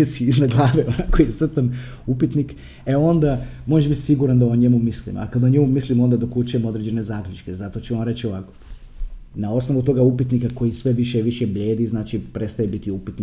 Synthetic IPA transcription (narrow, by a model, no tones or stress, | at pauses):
esiiznaɡlˠaːʋeonakojisr̩t̪an | upit̪nik | eo̞nd̪amo̞ʒeʒbit̪ʲsiɡuɾand̪aoɲemumislḭma̰kad̪aoɲemumislimo̞nd̪ad̪o̞kut͡ʃujemo̞d̪ɾed͡ʑd͡ʒe̞ne̞zaːklʲut͡ʃkezat̪o̞t͡ɕeʋamɾe̞t͡ɕio̞ʋaːko̥ | nao̞sno̞ʋut̪o̞ɡaupit̪nikako̞jisʋe̞ʋiʃjeʋiʃebʎe̞ːd̪iznaːt͡ʃipɾet̪st̪ajebit̪iupit̪ni